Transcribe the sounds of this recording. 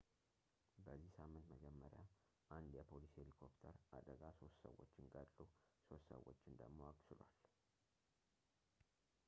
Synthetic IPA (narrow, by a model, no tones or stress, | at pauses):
bəzːihsamːɨnt̪məd͡ʒɛmːəɾja | ʔand̪jɛpʰo̞liselikʰo̞pt̪ʰəɾʔad̪əɡaso̞st̪sə̰wːo̞̰t͡ʃːɪnɡʼəlʼluso̞st̪sə̰wo̞t͡ʃːɪnd̪əɡmo̞akʼsɨlwal